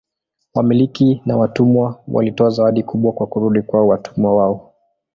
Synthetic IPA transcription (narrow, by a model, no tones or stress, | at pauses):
wamilikinawatumwawʔa̰litɔazawaɗikuɓwakwakuɾuɗikwaɔwatʰumwawaɔ